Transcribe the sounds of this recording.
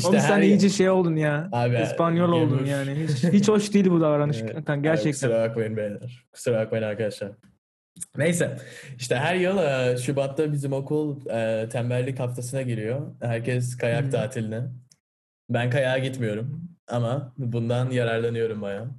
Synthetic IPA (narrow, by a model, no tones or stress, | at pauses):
iʃosænijid͡ʒiʃejo̞lˠd̪unjaːaːbiispʰanjolˠo̞lˠd̪unjaːnɪɦit͡ʃhit͡ʃoʃd̪iːlʲbud̪avaɾanɯʃant̪ʰænɟæɾt͡ʃɛk̪sɾavakvajɯnbejlæɾ̥kʰɯ̥sɯɾavakvajɯnaɾkʰad̪aʃlˠaɾ̥ | ne̞jsɛiʃt̪ʰɛɦæɾjɯlˠɯːʃybat̪ʰːabizimo̞kʰulˠɯːt̪ʰæmbælʲːikhaft̪ʰasɯnaɟiɾijohæɾcʰɛskʰajak̚t̪ʰaːt̪ʰilʲinɛ | bænkajaːɟit̪mijo̞ɾumamabund̪anjaɾaɾlˠanɯjo̞ɾumbaja